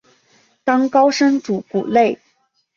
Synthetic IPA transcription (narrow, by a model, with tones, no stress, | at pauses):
t̪ɑ˥ŋkɑ˥ʊʂə˥ŋʈ͡ʂu˨˩kṵ˨˩le˥˩ɪ